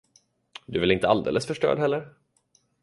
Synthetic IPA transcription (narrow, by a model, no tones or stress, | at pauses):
d̪ɵvɪlɪnt̪əald̪ḛːlʔəsfœʂʈœ̰ːɖɦɛlːəɾ